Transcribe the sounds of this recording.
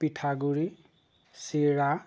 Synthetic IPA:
pitʰaɡuɾi | siɾa

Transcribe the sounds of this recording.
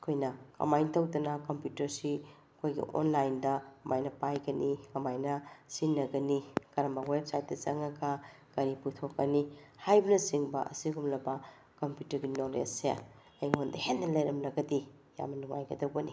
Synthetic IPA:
ɐkʰojnɐkɐ̰majntɐwdɐnɐkɐmpjutɐɾsi | ɐkʰojɡḭʔo̰nlajndɐɐmajnɐpajɡɐnikɐmajnɐsinːɐɡɐnikɐɾɐmbɐweb̚sajt̚dɐt͡ʃɐŋɐka | ɡ̥ɐɾiputʰokːɐnihajbɐnɐsiŋbɐ̰ʔɐ̰siɡumlɐbɐ | kɐmpjutɐɾɡinolḛsja̰ | ɐjŋondɐhenːɐlɐjɾɐmlɐɡɐdi | ja̰mːɐnuŋajɡɐdɐwbɐni

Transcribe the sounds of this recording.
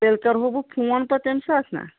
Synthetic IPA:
elkəɾɦobupʰuənpət̪ensat̪ʰna̰

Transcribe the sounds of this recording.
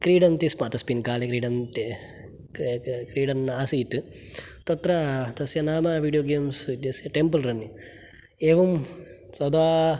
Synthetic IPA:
kɾiːɖɐnt̪ismat̪ɐspinkaːlekɾiːɖɐnt̪e | kɾiːɖɐnaːsit̪ɨ | t̪ɐt̪ɾɐt̪ɐsjɐnaːmɐʋiːɖijoːɡeːmsid̪jɐsjɐʈempɐlɾɐnːi | eːʋɐm | sɐd̪aː

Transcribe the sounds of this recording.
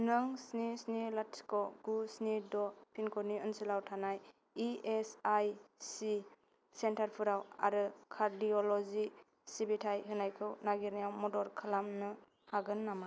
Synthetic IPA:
nɯŋsnisnilatskɔɡusnidɔpʰinkʰɔniɯnsilawtʰanaj | iesajsi | sentaɾpʰɯɾawa̰ɾɯkʰaɾdiɔlɔzi | sibitʰajɦɯnajkʰɯwnaɡiɾnijawmɔdɔɾkʰɯlamnɯ | haɡɯnːama

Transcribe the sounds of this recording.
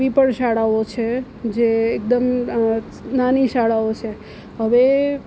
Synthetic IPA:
ipəɳʃaɽaot͡ʃʰe | d͡ʒeːk̚d̪əm | naniʃaɽaot͡ʃʰe | ɦəʋe

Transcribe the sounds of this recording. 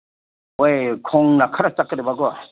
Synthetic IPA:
ojkʰɔŋnakʰaɾatakːɯɾɯbaɡɔ

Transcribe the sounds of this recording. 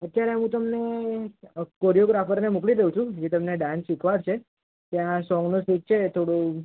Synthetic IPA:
ət̪ːjaɾeəɦũt̪əmne | koɾijoɡɾafəɾnemũkɭid̪eɦũt͡ʃʰũd͡ʒet̪əmneɖãnsikʋaɾt͡ʃʰe | t̪jãsɔ̃ŋɡnusiʈ̚t͡ʃʰet̪ʰoɽũ

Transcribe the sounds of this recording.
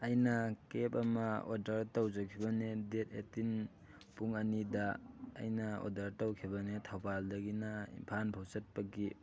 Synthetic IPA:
ɐjnɐkepɐmɐodɐɾtawzɐkʰibɐnedet̚etin | puŋɐnidɐ̰ːjnɐo̰dɐɾtawkʰibɐnetʰawbaldɐɡinaḭmpʰanpʰawsɐt̚pɐɡi

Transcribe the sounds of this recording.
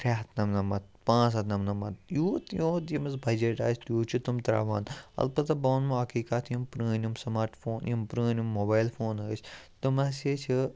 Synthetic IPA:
fʰʲaːɦt̪nɐmnɐmɐt̪̚pãːs̬ɐt̪nɐmnɐmɐt̪̚juːt̪jõːt̪imɐzbʱɐd͡ʒeʈa̰ːsʲt̪juːt͡ʃʰit̪umt̪ɾa̰ːʋaːnɐ̰lpɐt̪ɐboːnmuɦɐkiːkat̪ʰjimpɾiːnʲumsɐmaːɾʈfʰoːnjimpɾəːnʲumːobaːjlfoːnɐːsʲt̪umɐseːt͡ʃʰi

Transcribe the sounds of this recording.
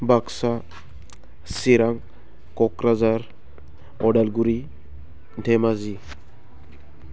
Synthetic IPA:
baksa | siɾaŋ | kɔkɾazaɾ | ɔɖalɡuɾi | ɖʱɛmazi

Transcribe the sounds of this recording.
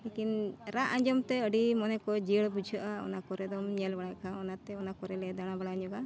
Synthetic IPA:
lekinɾaʔãɲd͡ʒɔmt̪ɛəɖimɔnɛkɔd͡ʒiəɽbud͡ʒʱəʔaɔ̰nakɔɾɛd̪ɔmɲɛlbaɽakaɔnat̪ɛɔnakɔɾɛlɛd̪aɽ̃abaɽaɲɔɡa

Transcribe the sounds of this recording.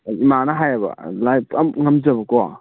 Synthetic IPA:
imanɐɦajabɐ̰lajpʰɐmŋɐmzɐbɐkɔa̰

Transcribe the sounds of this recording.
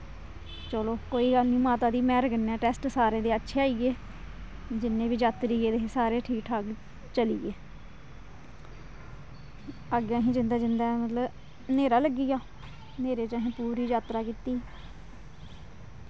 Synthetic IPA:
t͡ʃəloːkoːiːɡəlniːmaːt̪aːd̪iːmɛːɾɡənɛːʈɛːsʈsaːɾẽːd̪eːətːʃʰeːaːiːɡeː | d͡ʒɪnːẽːʋiːd͡ʒaːt̪ɾiːeːd̪eːsaːɾeːʈʰiːkʈʰaːɡ | t͡ʃəliːɡeː | əɡəɦĩːd͡ʒɪnd̪aːd͡ʒɪnd̪aːmət̪ləb | neːɾaːləɡːiːɡaː | neːɾeːt͡ʃəɦĩːpuːɾiːd͡ʒaːt̪ɾaːkit̪iː

